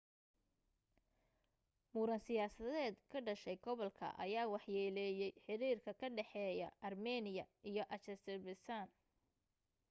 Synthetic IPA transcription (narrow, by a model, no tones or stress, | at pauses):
muːɾɐnsɪjaːsɐðɛːd̪kʰɐɖɐʃɛjɡɔβɔlkʰɐ̰ʔɐ̰jaːwɑħjɛːlɛːjɛjħɪɾiːrkʰɐkʰɐɖɛħɛːjɐ̰ʔɐrmɛːnɪjɐ̰ʔijɞʔɐt͡ʃɐst̪ɛbɪsaːn